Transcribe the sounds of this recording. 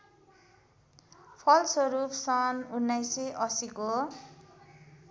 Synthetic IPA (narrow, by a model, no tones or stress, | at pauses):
pʰʌlsʌɾupʰsʌnunːajseʔʌsiko